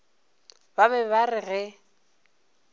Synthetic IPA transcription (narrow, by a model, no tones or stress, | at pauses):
baβɛβarɪɣɛ